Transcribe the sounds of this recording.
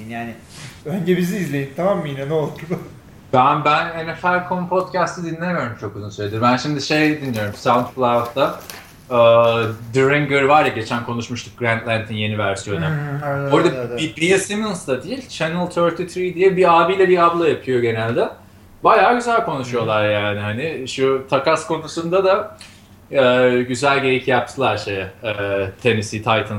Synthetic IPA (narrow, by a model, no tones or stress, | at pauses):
njaːnɪ | øɲd͡ʒɛbiziːzlʲejint̪ʰamamːinanolˠuɾd̪ʊ | bænbænenɛfæɾkʰompʰo̞t̪cæst̪ʰid̪inlʲemijo̞ɾumt͡ʃʰo̞kuzunsøjlʲed̪iɾmbænʃimd̪iʃe̞jd̪inːijo̞ɾumsavunt̪plˠat̪a | ɯːd̪ɯɾiŋɡɯɾvaɾjaɟe̞t͡ʃʰænkʰo̞nuʃmuʃt̪ʰu̥k̚ɡɾænt̪lʲænt̪ʰinje̞nivæɾsijo̞naoɾd̪aibijasimɯnsd̪ad̪ijilʲt͡ʃʰenɛlˠt̪ʰøɾt̪ʰit̪ʰɾid̪ijɛbiaːbijlʲɛbiablˠajapʰɯjo̞ɟe̞nælʲd̪ɛ | bajaːɟyzælʲkʰo̞nuʃujo̞lˠaɾjaːnɪɦanɪʃut̪ʰakaskʰo̞nusund̪ad̪a | ɛːɟyzælʲɟe̞jicjap̚t̪ʰɯlˠaɾʃejɛt̪ʰe̞nisit̪ʰajt̪ʰɯns